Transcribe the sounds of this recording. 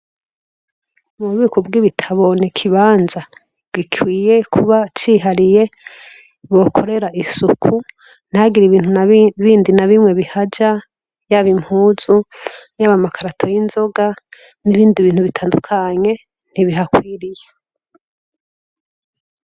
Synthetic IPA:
umuuβiːkubɡiβitʰaβo̞nikʰiβaːnza | bɡikʰwiːje̞kʰuβat͡ʃiɦaɾije̞ | βo̞kʰo̞ɾe̞ɾaʔisukʰu | n̥haɡiɾiβiːn̥unβiːndinaβimŋe̞βihad͡ʒa | jaβimhuːzujaβamakʰaɾatʰo̞jinzo̞ɡa | niβiːndiβiːnhuβitʰaːndukʰaɲe̞ | n̥iβiɦakwiːɾije

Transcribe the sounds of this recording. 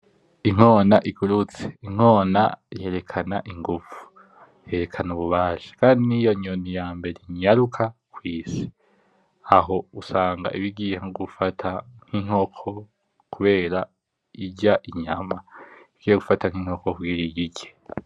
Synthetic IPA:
iŋ̥o̞ːnaʔiɡuɾut͡se̥iŋ̥o̞ːna̰je̞ːɾe̞kʰanaʔiŋɡuv̥u̥ | je̞ɾe̞kʰanuβuβaːʃḁkaːndinijo̞ɲonijaːmbe̞ɾeɲaɾukʰakwiːsi̥ | aɦo̞usaːŋɡa̰ʔiβiɡijeŋoɡufatʰaŋ̥hiŋ̥ho̞kʰo̞ | kuβe̞ːɾa | iɟaʔiɲamaiiɡijeɡufataŋ̥hiŋ̥o̞koβ̚ɡiːɾiɡiɟe

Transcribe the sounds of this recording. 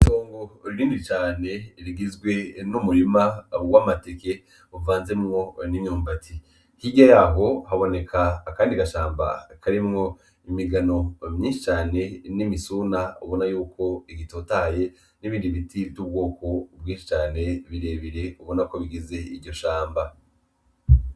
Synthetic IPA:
toːŋɡoɾiɾiːndit͡ʃaːne̞ɾiɡizɡwe̞numuɾimawamateke̞ | uvaːnze̞mŋo̞niɲɲuːmbatʰi | hiɟajaːɦo̞ɦaβo̞ne̞kʰakaːndiɡaʃaːmba̰kʰaɾimŋo̞ | imiɡano̞mɲiːnʃit͡ʃaːne̞nimisuːnauβo̞najuːko̞iɡitoːtaːje̞ | niβinɾdiβitivɟub̚ɡo̞ːko̞bɡĩːnʃi̥t͡ʃaːne̞βiɾe̞ːβiɾe̞uβo̞nako̞βiɡize̞iɾɟo̞ʃaːmba

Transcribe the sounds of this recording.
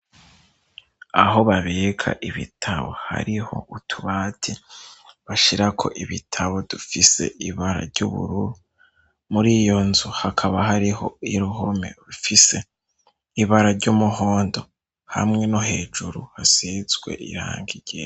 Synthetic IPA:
a̰ɦo̞βaβe̞ːkʰa̰ʔiβḭtʰaβo̞̰ha̰ɾiho̞ʔutʰuβaːtʰiβaʃiɾakʰo̞̰ʔiβitʰaβo̞d̥ufise̞̰ʔiβaɾa̰ɾɟṵβṵɾuɾu | muɾijo̞nzuhakʰaβaɦaɾiho̞iɾuɦomḛɾufise̞ | iβaɾaɾɟumuɦoːndo̞ | ha̰mŋe̞noɦe̞ːd͡ʒuɾuhasizwe̞̰ʔḭɾa̰ːŋɡiɟ̥e

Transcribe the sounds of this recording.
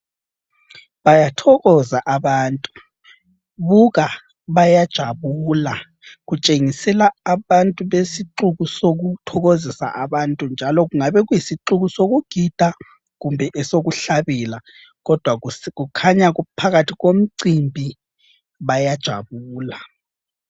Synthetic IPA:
βajatʰɔɣɔzaʔaβaːntʼu | βuɣa | βajad̥ʒ̥ʱaβuːla | ɣut͡ʃʼeŋisɛlaːβantʼuβesiǁuɣusoɣutʰɔɣozisa̰ʔaβantʼund͡ʒʱalɔɣuŋaβɛɣujisiǃuɣusoɣuɡ̥ʱid̥ʱa | ɣumbʱɛʔɛsoɣuɬaβila | ɣɔd̥ʱwaɣukʰaɲaɣupʰaɣatʰiɣom̩ǀimbʱi | βajad̥ʒ̥ʱa̰βuːla

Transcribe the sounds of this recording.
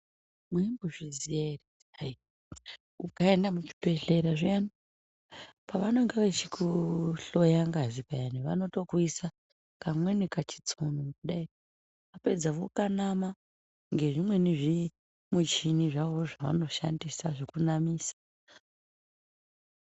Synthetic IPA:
mwembuʐiziere | ai | ukaendamut͡ʃi̥pe̞ɬe̞ɾaʐiani | paʋanoŋɡeʋet͡ʃikʰuɬo̞jaŋɡazipajaniʋa̰no̞to̞kuisa | kamwenekat͡ʃi̥t͡sʰonomkuɗai | ape̞d͡zaʋokanama | ŋɡe̞ʐimwe̞niʐi | mut͡ʃiniʐaʋoʐaʋa̰no̞ʃa̰ndisaʐikunamiːsḁ

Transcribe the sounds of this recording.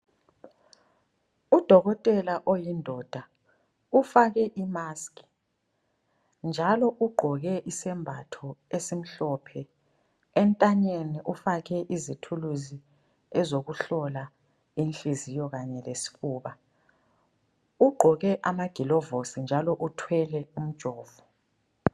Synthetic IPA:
ud̥ʱɔɣɔtʼɛlaʔojindʱɔd̥ʱa | ufaɣɛʔimaːskʼi̥ | nd͡ʒʱalɔʔuɡ͡ǃʱɔɣɛʔisɛmbʱatʰɔesim̩ɬɔpʰɛ | ɛntʼaɲeniʔufaɣɛʔizitʰuluzi | ɛzoɣuɬɔla | inɬʼizijɔɣaɲɛlesi̥ɣuːβa | uɡ͡ǃʱɔɣɛʔamaɡ̥ʱilɔvosind͡ʒʱalɔʔutʰwɛlɛum̩d̥ʒ̥ʱɔːvu

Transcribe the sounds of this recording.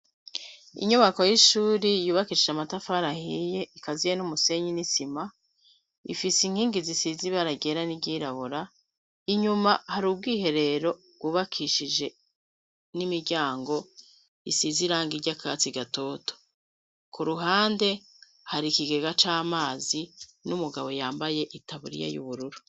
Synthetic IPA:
ḭɲuβako̞jiʃuːɾijuːβakiːʃiʒamatafaɾahije̞ikazijenumuse̞ɲinisima | ḭfisiŋ̥hiːŋɡizisiziβaɾaɡe̞ːɾaniɟiːɾaβuɾa | iɲumahaɾub̚ɡiːhe̞ɾe̞ɾo̞ | ɡ̥uːβakʰiʃid͡ʒe̞ | nimiɾɟaːŋɡo̞ | ḭsiziɾaːŋɡiɾɟakʰa̰t͡siɡato̞ːto̥ | kuɾuɦaːnde̞ | haɾikiɡe̞ɡat͡ʃaːmaːzinumuɡaβo̞jaːmbaje̞ʔitaβuɾḭja̰jṵβuɾuɾu

